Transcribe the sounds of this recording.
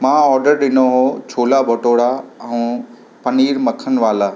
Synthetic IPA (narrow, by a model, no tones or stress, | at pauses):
mãːɔːɾɖəɾɗɪnoɦot͡ɕʰoːlabʱoʈoːɽaɛũ | pɐniːɾmɐkʰən̆ʋaːlaː